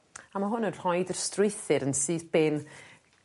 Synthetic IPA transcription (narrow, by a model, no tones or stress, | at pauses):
amaɦʊnənr̥ɔjdərstrɪjθɨɾənsɨːðbeːn